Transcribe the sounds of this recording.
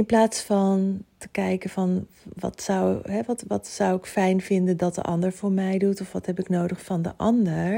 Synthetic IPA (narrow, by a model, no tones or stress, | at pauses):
ɪnplaːtsfɑntəkɛjkəvɑn | ʋɑ̰tsʌwɦɛʋɑtʋɑtsʌwɪkfɛjnvɪndəndɑt̚də̰ʔɑ̰ndəɹvʊːɹmɛjdutɔfʋɑtɦɛpɪknowdəχfɑndə̰ʔɑndəɹ